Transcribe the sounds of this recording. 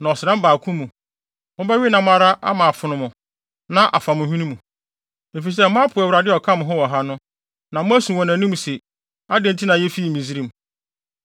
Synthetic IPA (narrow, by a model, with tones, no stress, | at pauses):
nã˨ɔ˨sɪ˨ã˦m˦baː˨kʰũ˦mũ˨ | mʊ̃˦bɛ˦ɥi˦nã˨m̃˦a˨ɾa˦ʔa̰˦mã˨fʊ˨nʊ̃˨mʊ̃˨ | nã˦ʔa̰˨fa˨mʊ̃˨hĩ˦nĩ˦mũ˨ | e˨fi˨s̬ɛ˦mʊ̃˦pʰʊ˨ɛ˨wɾa˨dɪ˦ɔ˨kʰã˦mʊ̃˨ɦʊ̃˦wɔ˨ɦa˦nʊ̃˦ | nã˨mʊ̃˦æ˦sũ˨wɔ̃˨nã˨nĩ˦m˨se˨ | a˦dẽ˨˦n˨tʰi˦nã˨jɛ˦fi˦˨mĩ˨zi˦ɾĩ˨m˨